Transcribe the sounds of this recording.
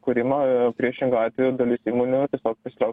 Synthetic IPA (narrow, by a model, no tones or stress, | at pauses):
kʊɾʲɪmɐpʲɾʲiɛʃʲɪŋɡoɑːt̪ʲʋʲɛjud̪ɐlʲʊsiːmoːnʲʊt̪ʲiɛsʲoːk̚pʲɐsʲɪlɐʊk